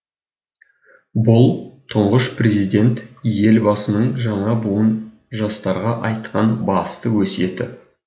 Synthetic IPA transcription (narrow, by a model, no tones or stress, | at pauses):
bʊlˠt̪ʰʊɴʁəʃprʲe̞zijd̪ʲe̞nt̪je̞lbɑsənəɴʒɑɴɑbuwən | ʒɑst̪ɑɾʁɑʔɑjt̪qɑnbɑst̪əwɵse̞t̪ɪ